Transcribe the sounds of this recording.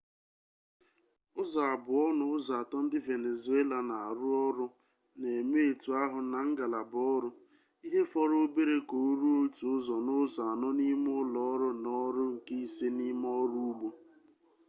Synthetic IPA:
ʊ˦za˨a˨bʊ˨ɔ˦nʊ˨ʊ˦za˨a˨tɔ˦n̩˦dɪ˦ve˨ne˨zu˨˦e˦la˨na˨a˨ɾʊ˦ɔ˦ɾʊ˦ | ne˨me˦e˨tu˨a˦ɦʊ˨na˨ŋ̩˦ɡa˨la˨bʊ˨ɔ˦ɾʊ˦ | i˦ɦe˦fɔ˦ɾʊ˦be˦ɾe˦ko˨˦ɾu˦o˦tu˨ʊ˦zɔ˨nʊ˦za˨a˨nɔ˦ni˦m˦ʊ˦lɔ˦ɾʊ˦nɔ˦ɾʊ˦ŋ̩˨ke˦i˦se˦ni˦m˦ɔ˦ɾu˦u˦ɡ͡bo˨

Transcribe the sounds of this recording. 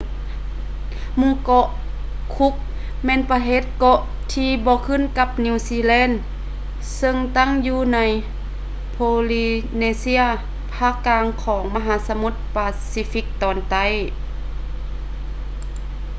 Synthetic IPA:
mu˧˥˨kɔ˧ʔ | kʰu˦˥k̚ | mɛː˧˥˨npaː˧ɦeː˧˦t̪̚kɔ˧ʔ | t̪ʰiː˧bɔː˧˦kʰɯ˧˥˨nka˧˥p̚ni˧˨siː˧lɛː˧˥˨n | sɤ˧ŋt̪a˥˨ŋjuː˧na˧˥j | pʰoː˧liː˧neː˧si˧˥ɐ | pʰaː˧˥˩kːaː˧ŋkʰɔː˩˦ŋma˧ɦaː˨˦sa˧mu˧˥t̪̚paː˧siː˧˥fi˧˥k̚t̪ɔː˨˩nt̪a˧˥˨j

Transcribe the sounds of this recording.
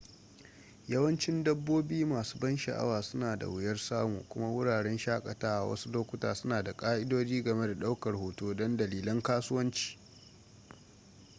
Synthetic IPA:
jɐ˦wɐ˦nt͡ʃɪ˦ndɐ˦bːoː˦biː˦maː˨su̥ː˦bɐ˦nʃɐ̰˨ʔa̰˦waː˨sʊ˦naː˨da̰˨wɪ˨jɐ˦rsaː˦mṵː˨kʷʊ˦ma˦wʊ˦ɽaː˨ɽɛ˦nʃaː˦kʼɐ˨taː˦ʔa̰˨wʔɐ̰˦su˦loː˦kʷʊ˦ta̰ː˨sʊ˦naː˨da˨kʼaː˦ʔɪ˦doː˦d͡ʒiː˦ɡɐ˨me˦da˨ɗa˦wkɐ˨rhoː˨toː˦dɔ˦ndɐ˨liː˨lɐ˦ŋkaː˦sʊ˦wɐ˦nt͡ʃi̥ː˨

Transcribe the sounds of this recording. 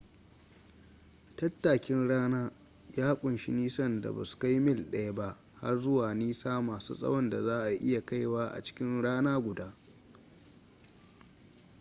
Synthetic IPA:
tɐ˦tːaː˨kʲɪ˦nɽaː˦naː˦ | jaː˦kʷʼʊ˨nʃi˦niː˦sɐ˦nda̰˨ba̰˨su̥˨ka˦jmɪ˦lɗɐ˦ja˦ba˦ʔ | ha˦rzʊ˦waː˨niː˦saː˦maː˨sṵː˦sʼɐ̰˦wɔ˦nda˨zaː˦ʔa˨ʔɪ˦ja˨ka˦jwaː˦ʔa̰˨t͡ʃɪ̥˦kʲɪ˦nɽaː˦naː˦ɡʷʊ˨daː˦

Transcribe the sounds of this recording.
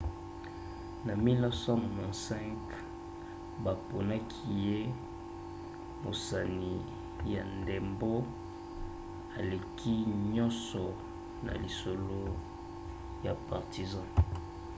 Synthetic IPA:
na˨mi˦la˦sã˦mo˨mɔ̃˨sɛ̃˦ŋk | ba˨po˨na˦kʰi˦je˦ | mo̰˨sa˨ni˨ | ja˨nde˨mbo˦ | a˨le˨kʰi˦ɲɔ̃˦nsɔ˨ | na̰˨li˨so˨lo˦ | ja˨pa˨ʁti˨zɑ̃˦

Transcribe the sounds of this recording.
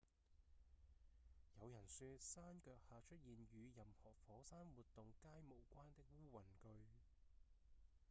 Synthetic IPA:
jɐ˨˧wjɐ˨˩nsyː˧tsaː˥nkœː˧k̚haː˨˧t͡ʃʰɵ˥t̚jiː˨nɥyː˨˧jɐ˨mhɔː˨˩fɔː˨˥saː˥nwuː˨t̪̚ʊ˨ŋkaː˥jmo˨˩wkʷaː˥nt̪ɪ˥k̚wuː˥wɐ˨˩nkɵ˧ɥ

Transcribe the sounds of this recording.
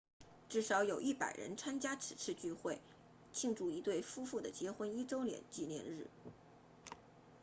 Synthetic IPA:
ʈ͡ʂɻ̩˥˩ʂɑ˧˥ʊjo˨˩ʊʔi˥˩pa̰˨˩ɪɻə̰˧˥nt͡sʰa˥nt͡ɕja˥ʈ͡ʂʰɻ̩˨˩t͡sʰɻ̩˥˧t͡ɕy˥˧xwe˥˩ɪ | t͡ɕʰi˥˧ŋʈ͡ʂu˥˩i˧˥t̪we˥˩ɪfu˥fu˥˩d̪ə˩t͡ɕjɛ˧˥xwə˥ni˥ʈ͡ʂo˥ʊljɛ̰˨˩nt͡ɕi˥˧njɛ̰˥˧nɻɻ̩˥˩

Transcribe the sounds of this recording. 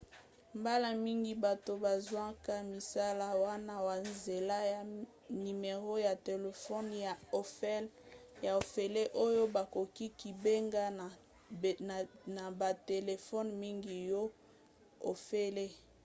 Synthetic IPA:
mba˦la˦mi˦ŋɡi˦ba˨to˨ba˨zwa˦ka˦mi˨sa˦la˦wa˦na˦wa˨nze˨la˦ja˨ | ni˨me˨ʁo˦ja˨te˨le˨fɔ˦nja˨o˨fɛ˦lja˨o˨fe˨le˦ʔo˦jo˦ba˨ko˨ki˦ki˨be˦ŋɡa˦˨ | n˨na˨ba˨te˨le˨fɔ˦nmi˦ŋɡi˨jɔ˦ | o˨fe˦le˦

